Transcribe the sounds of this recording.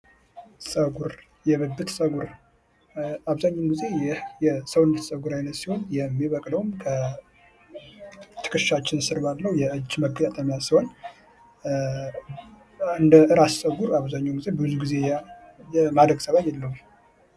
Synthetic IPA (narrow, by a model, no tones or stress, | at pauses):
sʼəɡuɾ | jɛβəbːɨt̪sʼəɡuɾ | aβzaɲːamɡize̞jɪjɛsəwnːət̪sʼəɡuɾajnət̪siho̞njɛmːiβəkʼləwumkʰə | t̪ʰɨ̥kʼɨʃat͡ʃːɪnsɨɾbalːəwujɛʔɨd͡ʒːməɡət̪at̪ʼəmjasiho̞n | ɨnd̪əʔɨɾassʼəɡuɾaβzaɲːamɡize̞bɨɨzuɡize̞ | jɛmad̪ɾəɡsəβat̪jɛlːəhum